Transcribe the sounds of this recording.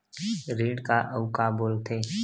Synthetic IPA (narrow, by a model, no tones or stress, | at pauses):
ɾiːɖkaʔəʊkaboːlt̪ʰeː